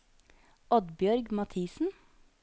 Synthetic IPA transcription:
ɔd̪bjœɾɡmɑt̪ʰiːsn̩

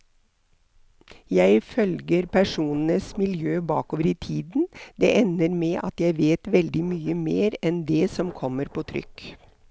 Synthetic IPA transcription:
jæɪfœlɡəɾpʰæʂuːnən̩əsmɪljøːbɑ̰ːkoːʋəɾiːt̪ʰiːd̪n̩d̪̥ɛ̰ʔɛnəɾmɛːʔɑt̪jæɪʋeːt̪ʋɛld̪ɪmyːəmeːɾɛnd̪ɛːsɔmkʰɔmːəɾpʰoːt̪ʰɾʏ̰k

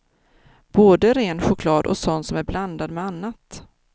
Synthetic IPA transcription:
b̥oːd̪əɾeːnɧʊkʰlɑːd̪ʔɔ̰sɔnt̪sɔmæɾbland̪ad̪mɛanːat̪

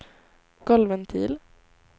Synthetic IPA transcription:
ɡ̥ɔlvənt̪ʰḭːl

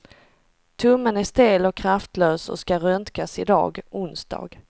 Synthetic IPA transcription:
t̪ʰɵmːənæʂt̪eːlɔkʰɾaft̪ʰløːsɔ̰skaɾœnt̪kasɪd̪ɑ̰ːɡʊnsd̪̥ɑ̰ːɡ

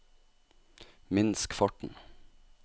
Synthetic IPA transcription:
mɪnskfɔʈɳ̩

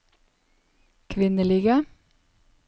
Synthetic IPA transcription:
kʰʋɪnəliːɡə

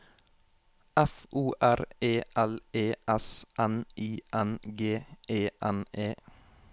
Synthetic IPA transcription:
ʔæfʔuːʔæɾeːʔæleːʔɛsʔænʔiːʔænɡeːeːʔæneː

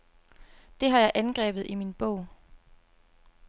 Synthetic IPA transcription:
d̥e̝ɦɑ̈jɑ̈ɪʔænɡ̥ʁɛ̰ːb̥ð̞̩ˠiminb̥ɔʊ̰

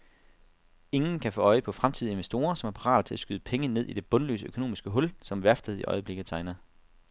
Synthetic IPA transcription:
e̝ŋn̩kʰæfɔ̰ːɒ̽ɪəpʰɒ̽fʁamt͡sʰið̞̰ˠie̝nʋesd̥o̝̰ːɐsɒ̽mæɐpʰɑʁɑ̰̈ːlt͡sʰe̝æsɡ̥yð̞ˠəpʰeŋəne̝ð̞̰ˠid̥e̝b̥ɔ̽nlø̰ːsəøkʰo̝no̰ːmisɡ̥əɦɔ̽lsɒ̽mʋæɐfd̥əðˠiʔɒ̽ɪəb̥le̝ɡ̥ð̩ˠt͡sʰɑ̈ɪnɐ

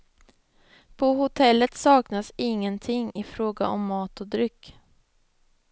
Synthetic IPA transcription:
pʰɔhʊt̪ʰɛlːət̪sɑːknasɪŋːənt̪ʰɪŋːɪfɾoːɡa̰ʔɔmːɑːt̪ɔd̪ɾʏkː

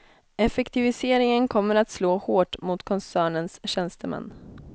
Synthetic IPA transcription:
ɛfɛkt̪ɪvɪseːɾɪŋənkʰɔmːəɾat̪sloːhoːʈmʊt̪kʰɔnsæːɳənsɕɛnst̪əmɛ̰nː

